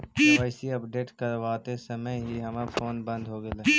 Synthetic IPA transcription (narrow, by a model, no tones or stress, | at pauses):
əɪsiɐpɖeːʈkɐɾʋaːt̪esɐməjɦiɦɐmafʰoːnbɐ̃nd̪ʱɦoɡəle